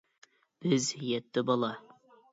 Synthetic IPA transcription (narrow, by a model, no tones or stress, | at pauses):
b̥ɪzjɛt̪ːɪbɒlˠɑ